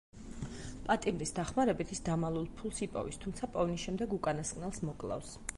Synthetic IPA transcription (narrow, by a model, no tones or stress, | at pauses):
pʼat̪ʼimɾisd̪aχmaɾɛbit̪ʰisd̪amalˠulˠpʰulˠsipʼɔ̰vḭst̪ʰumt̪sʰapʼɔvniʃɛmd̪ɛɡukʼanaskʼnɛlˠsmɔkʼlˠa̰fs